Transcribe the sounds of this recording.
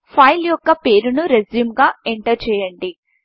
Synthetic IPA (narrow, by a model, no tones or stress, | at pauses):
pʰɐjljɔkːɐpe̞ːɾunuɾed͡ʒiːmɡaːeɳʈɐɾt͡ʃɛːjɐɳɖi